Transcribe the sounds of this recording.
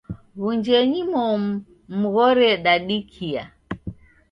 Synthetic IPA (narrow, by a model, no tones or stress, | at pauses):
βuɲd͡ʒɛɲimɔ | m̩ɣɔɾɛɗaɗikʰia